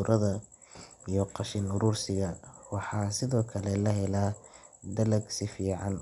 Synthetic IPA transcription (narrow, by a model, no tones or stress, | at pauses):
ʊɾʔɐðɐ | ijɔqɑʃɪnʊɾuːrsɪɣɐwɑħɑːsɪðɔːkʰɐlɛlɐɦɛlaː | d̪ɐlɐɡsɪfiːʕɑn